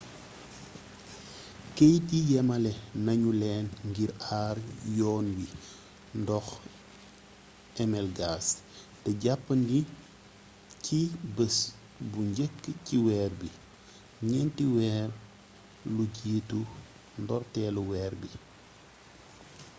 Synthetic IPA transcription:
kejtijɛmɐlɛnɐɲulɛːnŋɡiɾaːrjɔːnwi | ndɔx | ɛmɛlɡaːs | d̥ɛɟapːəndi | cibəs | buɲɟəkːəciwɛːrbi | ɲɛntiwɛːr | luɟiːtu | ndɔrtɛːluwɛːɾbi

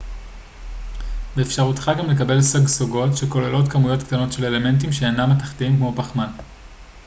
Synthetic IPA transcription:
beːfʃaʁutχaɡamle̞kabe̞lsaɡsoɡo̞tʃeko̞lelo̞tkamujo̞tkt̪ano̞tʃe̞lele̞me̞nt̬imʃeːnamataχtiimkmo̞paχman

